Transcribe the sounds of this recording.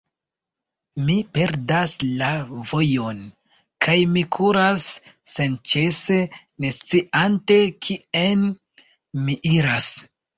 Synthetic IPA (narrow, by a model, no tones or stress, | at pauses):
mipe̞ɾdaslavo̞jo̞n | kʰajmikʰuɾasːent͡ʃe̞se̞ | ne̞st͡siʔantekʰien | miʔiɾas